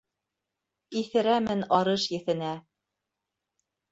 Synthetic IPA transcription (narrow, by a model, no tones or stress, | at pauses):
iθɘ̆ɾæmɘnɑɾɤʃjɘ̆θɘ̆næ